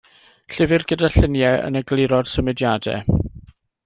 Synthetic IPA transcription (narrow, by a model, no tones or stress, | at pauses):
ɬɪvɪrɡədaɬənjɛə̰nəɡlɪɾɔd̥səmɪdjadɛ̰